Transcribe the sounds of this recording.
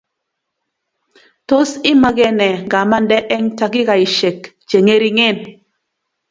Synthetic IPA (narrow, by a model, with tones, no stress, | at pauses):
to˦sɪ˦ma˦ɡɛ˦nɛ˨ŋɡa˨ma˦ndɛ˦ʔɛ˦ŋta˨kɪ˦ka˨i˨ʃe˨k | t͡ʃe˨ŋe˦ɾi˦ŋɪ˦˨n